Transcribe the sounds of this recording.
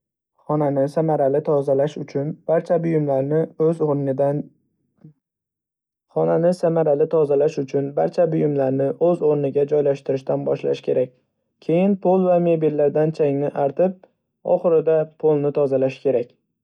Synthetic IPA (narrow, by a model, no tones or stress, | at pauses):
χɒnanɪsamaɾalɪt̪ʰɒzalaʃʊt͡ʃʰʊnb̥aɾt͡ʃʰabʊjɪmlaɾnɪɵzn | χɒnanɪsamaɾalɪt̪ʰɒzalaʃʊt͡ʃʰʊnbaɾt͡ʃʰabʊjʊmlaɾnɪʔɵzoɾnɪɡʲad͡ʒɒjlaʃt̪ɪɾɪʃt̪anbɒ̰ʃla̰ʃkʲʰe̞ɾak̚ʲ | kʲʰe̞jɪnpʰolˠvame̞bilːaɾd̪ant͡ʃʰaŋnɪʔaɾt̪ʰɪp̚ | ɒ̰χɨɾɪd̪apʰolˠnɪt̪ʰɒzalaʃɪ̥kʲʰe̞ɾakʲ